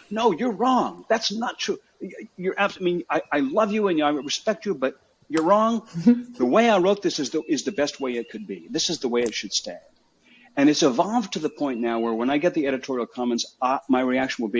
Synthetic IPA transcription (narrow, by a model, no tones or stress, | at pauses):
noʊjə˞ɹɔ̃ŋðætsnətʰɹ̥u | jə˞ʔæbsamĩnaɪʔaɪlʌvjɨɨ̃njɨaɪɹɨspɛk̚t͡ʃɨbʌt͡ʃ̚ | jə˞ɹɔ̃ŋðəweɪaɪɹoʊt̪̚ðɪsɨzðəʔɪzðɨbɛst̚weɪɨt̚kʰɨd̚biðɪsɨzðəweɪɨtʃɨd̥stæ̃nd̥ | ɨ̃ñɨtsɨvɑlˠvtʰɨðəpʰɔ̃ɪ̃nːnaʊwə˞wə̃ñaɪɡɛt̪̚ðiɛɾɨtʰɔɹil̩ˠkʰɑmɨ̃ntsmaɪɹiækʃɨ̃n̩wəlˠbi